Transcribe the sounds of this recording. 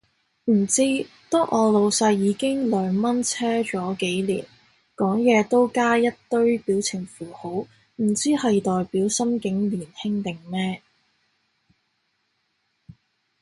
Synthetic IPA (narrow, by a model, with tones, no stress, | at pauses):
m̩˨˩t͡siː˥ | t̪ɔː˥ŋʔɔː˨˧lo˧wsɐː˧jjiː˨˧kɪ˥ŋlœː˨˧ŋmɐ˥nt͡sʰɛː˥t͡ʃɔː˨˥ke˨˥jlḭː˨˩n | kɔː˨˥ŋjɛː˨˧t̪o˥wkaː˥jɐ˥t̚t̪ɵ˥ɥpiː˨˥wt͡sʰɪ˨˩ŋfuː˨˩ho˨˥w | m̩˨˩t͡siː˥hɐ˨jt̪ɔː˨jpiː˨˥wsɐ˥mkɪ˨˥ŋliː˨˩nhɪ˥ŋt̪ɪ˨ŋmɛː˥